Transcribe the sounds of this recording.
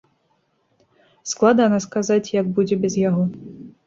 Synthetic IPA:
sklˠad̪ɐnaskazat͡sʲjɐɡ̚bud͡zʲɛbʲɛzjaɣɔ

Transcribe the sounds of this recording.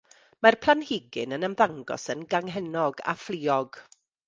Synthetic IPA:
marpʰlˠanhɪɡɪnənəmvaŋɡɔ̰sənɡaŋɦɛnɔɡa̰flˠiːɔɡ̥

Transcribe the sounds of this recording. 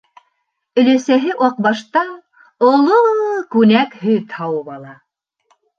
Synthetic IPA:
ɵ̆læsæɦɘʔɑq̚bɑʃt̪ɑ | olˠokʉnækhɵt̪hɑwɤβɑlˠɑ

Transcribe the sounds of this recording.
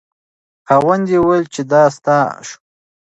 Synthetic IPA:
xawand̪ewajlt͡ʃed̪ɑst̪ɑʃu̥

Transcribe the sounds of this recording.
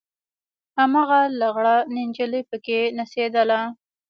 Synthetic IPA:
hamaɣalaɣɽanɪnd͡ʒələpəkenased̪əla

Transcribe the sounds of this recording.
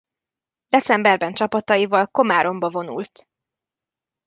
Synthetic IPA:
d̪ɛt̪sɛmbɛrbɛnt͡ʃɒpɒt̪ɒjivɒlko̞maːɾʔo̞mbɒvo̞nṵlt̪

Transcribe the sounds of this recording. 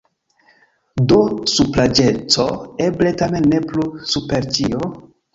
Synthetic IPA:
dosuplad͡ʒe̞t͡so̰e̞ble̞tame̞nːe̞plusupe̞ɾt͡ʃio

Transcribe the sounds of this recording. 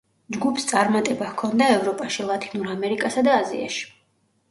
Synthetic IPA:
d͡ʒɡupʰst̪sʼaɾmat̪ʼɛbahkʰɔnd̪aɛvɾɔpʼaʃilˠat̪ʰʼinuɾamɛɾikʼasad̪aːzḭa̰ʃi̥

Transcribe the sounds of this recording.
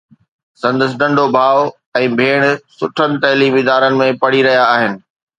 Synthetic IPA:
sɐ̃nd̪əs̬ɗɐ̃ɳɖʱobʱaːʋ | ɛ̃ːbʱeːɽ̃sʊʈʰənɪ̆t̪ɐɦliʋɪd̪aːɾənɪ̆mẽpɐɽ̤iɾɐɦijaːɦɪnɪ̆

